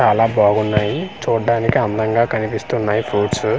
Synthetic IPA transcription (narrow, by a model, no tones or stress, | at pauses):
t͡ʃaːlaːbaːɡunːaːjit͡ʃuːɖːaːnikiɐnd̪ɐŋɡaːkɐnipist̪unːaːjipʰɾuːʈs